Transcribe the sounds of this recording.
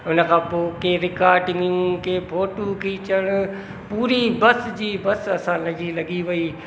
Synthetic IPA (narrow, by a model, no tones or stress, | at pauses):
ʊnə̆kʰãːpoːkeɾɪkaːɾʈɪ̃ŋɡijũkeːbʰʱoːʈukʰiːt͡ɕəɽ̃ | puːɾibɐsd͡ʑiːbɐsɐsãlɐd͡ʑilɐɡiʋɐiː